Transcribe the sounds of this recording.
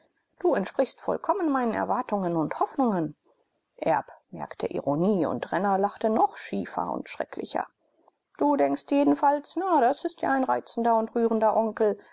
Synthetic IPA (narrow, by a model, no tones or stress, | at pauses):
d̥uːɛntʃpʁ̥ɪçstfɔ̰lkʰɔmənmaɪnənɛ̰ɐvaɐtʊŋənʊnthɔfnʊŋən | ʔɛɐpmɛ̰ɐktʰəʔḭʁoniːʊ̰ntʁɛnɐlaχtənɔχʃiːfɐ̰ʊ̰ntʃʁ̥ɛ̰klɪ̰çɐ̰ | d̥uːdɛŋkstjeːdn̩falsnadasɪstjaːaɪnʁaɪt͡sn̩dɐʊntʁyːʁəndɐʔɔŋkl̩